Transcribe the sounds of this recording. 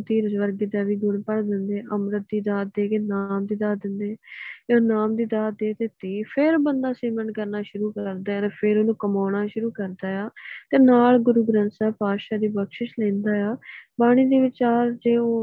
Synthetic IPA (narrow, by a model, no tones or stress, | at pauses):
t̪iːɾəzʋəɾɡeːd̪aːʋiːɡʊɳpəɽd̪ɪnd̪eːʔəmɾət̪̚d̪iːd̪aːt̪̚d̪eːkeːnaːmd̪iːd̪aːd̪ɪnd̪eːoːnaːmd̪iːd̪aːt̪̚d̪eːt̪et̪ːiːpʰɪɾbənd̪aːseːmə̃ɳʈkəɾnaːʃʊɾuːkəɾd̪aːt̪ːpʰɪɾoːnũːkəmaːɽ̃aːʃʊɾuːkəɾd̪aːjaːt̪eːnaːlɡʊɾuːɡɾə̃nsaːpaːʃaːd̪iːbəkʃɪʃlɛ̃ːnd̪aːjaːbaːɽ̃iːd̪eːʋɪt͡ʃaːɾd͡ʒeːoː